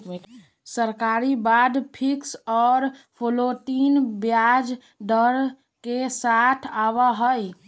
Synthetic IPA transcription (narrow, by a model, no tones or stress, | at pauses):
səɾkaːɾibaːd̪pʰɪksɔːɾpʰoloʈiːnbjad͡ʒ | ɖəɾ | kesat̪ʰaːwaɦəj